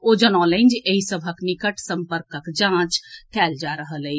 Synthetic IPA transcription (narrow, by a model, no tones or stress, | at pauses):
od͡ʒənɔlẽnd͡ʒeɦisəbʱəknikəʈsə̃mpəɾkəkd͡ʒãːt͡ʃk̪ʰɛːld͡ʒaɾəɦələi